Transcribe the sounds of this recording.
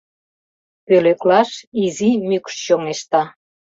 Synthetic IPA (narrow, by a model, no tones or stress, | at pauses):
pøløklɑʃizimykʃɕomeʃt̪ɑ